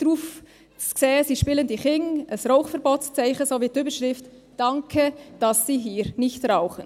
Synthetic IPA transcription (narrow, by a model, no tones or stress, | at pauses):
d̥ɾuːf | t͡skseːəsiːʃpiːləndiχɪŋəsroʊχfɛɾboːtst͡sæɪχəsoːviːtyːbəɾʃʁɪft | d̥ɑŋkʰəd̥ɑsːiːɦiːɾnɪçtrɑʊχən